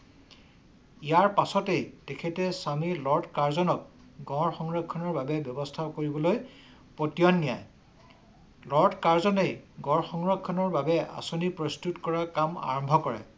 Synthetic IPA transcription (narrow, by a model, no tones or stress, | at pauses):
ijaɹpasɔtejtekʰɛtɛsamilɔɹtkaɹzɔnɔk̚ | ɡɔ̃ɹxɔŋɹɔkʰːɔnɔɹbabɛbjɔbɔstʰakoɹibɔloj | potijɔnːija̰j | lɔɹdkaɹzɔnejɡɔ̃ɹxɔŋɹɔkʰːɔnɔɹbabɛa̰sonipɹɔstutkɔɹakama̰ɹɔmbʱɔkɔɹɛ̰